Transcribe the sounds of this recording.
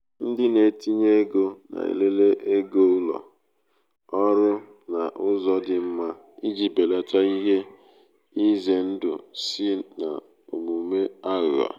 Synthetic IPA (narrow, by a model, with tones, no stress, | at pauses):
n̩˦dɪ˦ne˨˦ti˦ɲe˦ɡo˦na̰˨ḛ˨le˦le˦ʔe˦ɡo˦u˦lɔ̰˨ | ɔ˦ɾʊ˦ | na˨ʔʊ˦zɔ˦dɪ˨m̩˦ma˦ | i˦d͡ʒi˨be˨la˨tʰa˦i˦ɦe˦ | i˦ze˨n̩˦dʊ̰˨sɪ˦na̰˨ | o˨mu˨me˦a˦ɣʊ˨a̰˨